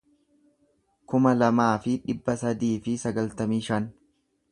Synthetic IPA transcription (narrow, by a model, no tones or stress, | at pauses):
kʊmɐlɐmaːfɪᶑɪbːɐsɐd̪iːfɪsɐɡɐlt̪ɐmiːʃɐn